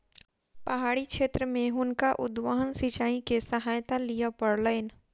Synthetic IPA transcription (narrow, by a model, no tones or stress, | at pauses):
pɐɦaːɽikʃeːt̪ɾəmẽɦʊnkaʔʊd̪ʋaɦənsit͡ʃaːĩkesəɦaːjt̪alijapəɾləɪn